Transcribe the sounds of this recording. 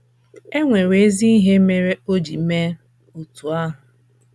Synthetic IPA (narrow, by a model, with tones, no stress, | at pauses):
e˦ŋʷe˨ɾe˨e˦zi˦i˦ɦe˦me˦ɾe˦o˦d͡ʒi˨˦me˦ | o˨tu˨a˦ɦʊ˨